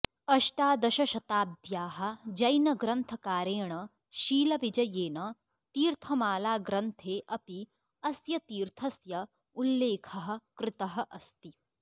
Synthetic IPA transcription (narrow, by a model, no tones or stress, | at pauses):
ɐʃʈaːd̪ɐʃɐʃɐt̪aːb̚d̪jaːɦɐ̆d͡ʒɐjnɐɡɾɐnt̪ʰɐkaːɾeːɳɐ | ʃiːlɐʋid͡ʒɐjeːnɐ | t̪iːɾt̪ʰɐmaːlaːɡɾɐnt̪ʰeːʔɐpi | ɐsjɐt̪iːɾt̪ʰɐsjɐ | ulːeːkʰɐɦɐ̆kɾɪt̪ɐɦɐʔɐst̪i